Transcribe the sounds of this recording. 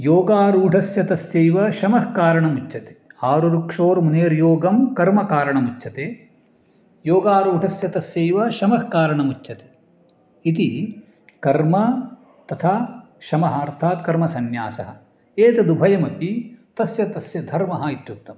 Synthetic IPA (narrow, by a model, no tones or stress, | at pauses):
joːɡaːɾuːɖʱɐsjɐt̪ɐsjejʋɐʃɐmɐhkaːɾɐɳɐmut͡ʃːt͡ʃʰːɐt̪e̥aːɾuɾukʂoːɾmuneːɾjoːɡɐmkɐɾmɐkaːɾɐɳɐmut͡ʃːt͡ʃʰɐt̪eː | joːɡaːɾuːɖʱɐsjɐt̪ɐsjeːjʋɐʃɐmɐhkaːɾɐɳɐmut͡ʃːt͡ʃʰɐt̪e̥ː | it̪i | kɐɾmɐ | t̪ɐt̪ʰa | ʃɐmɐɦɐɐɾt̪ʰaːt̪kɐɾmɐsɐnja̰ːsɐ̰ɦɐ̆ | eːt̪ɐd̪ubʱɐjɐmɐpit̪ɐsjɐt̪ɐsjɐd̪ʱɐɾmɐɦɐit̪juk̚t̪ɐm